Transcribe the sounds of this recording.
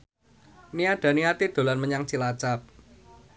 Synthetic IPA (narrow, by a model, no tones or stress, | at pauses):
niaɖ̪̥ä̤niat̪id̪̥o̤lanməɲaŋt͡ʃilat͡ʃap̚